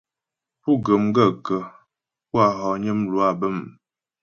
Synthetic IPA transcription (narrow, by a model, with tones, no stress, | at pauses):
pu˦˨ɡə˨mɡə˦˨kə˨ | ku˦a˨ɦɔ˨ɲə˦mlu˨˦a˦˨bə˦˨m